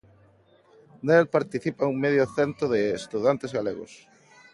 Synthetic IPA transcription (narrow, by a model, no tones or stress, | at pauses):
nelpaɾt̪iθipauŋmeðjoθent̪ɾoðɪːst̪uðant̪ezɣaleɣʊ̰s